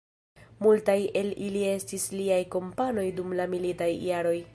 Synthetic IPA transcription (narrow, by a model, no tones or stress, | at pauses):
multaje̞lilie̞stisliajko̞mpano̞jdumlamilitajːaɾo̞j